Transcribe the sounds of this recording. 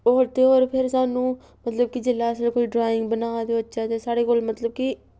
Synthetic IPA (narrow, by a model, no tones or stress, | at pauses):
oːɾt̪eoːɾpʰɪɾsaːnũː | mət̪ləb̚kid͡ʒɪlːaːskoːiːɖɾaːɪ̃ŋɡ̚bənaːd̪eətːʃaːt̪esaːɽeːkoːlmət̪ləb̚ki